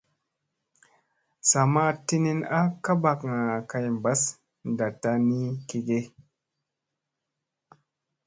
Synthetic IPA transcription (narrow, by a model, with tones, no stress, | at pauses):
sa˨ma˦ti˦ni˦na˦ka˦ba˨kŋa˨ka˨jm˨ba˦s | n˨da˨ta˦ni˦ki˨ɡe˦